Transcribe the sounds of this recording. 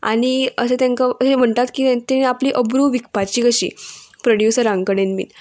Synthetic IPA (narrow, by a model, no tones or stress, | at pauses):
a̰ɽ̃iəsẽt̪jãŋkaəsem̤əɳt̪at̪kiːt̪eniapliʔəbɾuʋik̚pat͡ɕiːkəɕḭːpɾoɽjusəɾãŋɡkəɽenmḭn